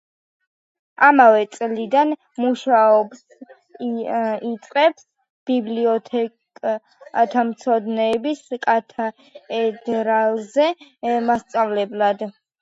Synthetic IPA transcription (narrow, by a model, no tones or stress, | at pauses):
amavɛt̪sʼlid̪an | muʃaɔbs | it̪sʼqʼɛbs | b̥ibliɔt̪ʰɛ | at̪ʰamt̪sʰɔd̪nɛːbiskʼat̪ʰa | ɛd̪ɾalˠzɛmast̪sʼavlɛblad̪